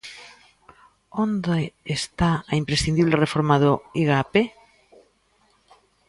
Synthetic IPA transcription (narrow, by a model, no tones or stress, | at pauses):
ond̪eest̪aaimpɾesθind̪iβlerefoɾmaðʊiɣape